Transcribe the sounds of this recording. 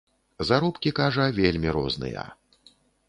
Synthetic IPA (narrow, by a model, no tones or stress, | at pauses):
zaɾɔpkʲikaʐɐvʲelʲmʲiɾɔ̰znɨ̰jɐ̰